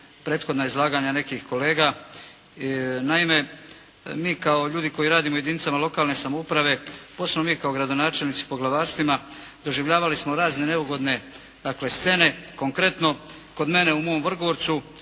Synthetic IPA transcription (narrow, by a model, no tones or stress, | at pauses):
pɾe̞ːt̪xo̞d̪naeizlˠaːɡaɲane̞kixko̞le̞ːɡa | naime̞ | miːkao̞ʎuːd̪iko̞jiɾaːd̪imoujed̪init̪samalo̞kaːlne̞samoupɾaʋe̞posemnomiːkaoɡɾad̪o̞naːt͡ʃe̞lnit̪si̥po̞ɡlaʋaːɾst̪ʋimad̪o̞ʒiʋʎaːʋalismoɾaːzne̞neuɡo̞d̪ne̞ | d̪akle̞st̪se̞ne̞ko̞ŋkɾe̞t̪no̞ko̞d̪me̞ne̞umo̞omʋr̩ɡoʋo̞ɾt̪su